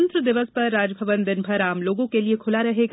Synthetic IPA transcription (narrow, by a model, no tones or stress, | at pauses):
nt̪ɾəd̪ɪʋəspɐɾːaːd͡ʒbʱɐʋənd̪ɪnbʱɐɾaːmloːɡõkeliekʰʊlaɾɐɦeɡ